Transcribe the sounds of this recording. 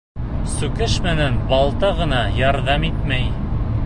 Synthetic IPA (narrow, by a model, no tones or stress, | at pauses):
sʉkɘʃmɘ̆nænbɑlˠt̪ɑʁɤ̆nɑjɑɾðɑmit̪mæj